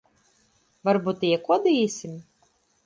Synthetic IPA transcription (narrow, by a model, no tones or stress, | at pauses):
vaɾbut̪ːɨjɛkuɔd̪ɐiːsʲim